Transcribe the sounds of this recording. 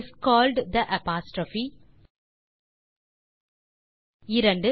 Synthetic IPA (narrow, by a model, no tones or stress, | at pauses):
skɔːlɖd̪əʔɛpaːsʈɾɔfi | ɪɾɐ̃ɳɖɨ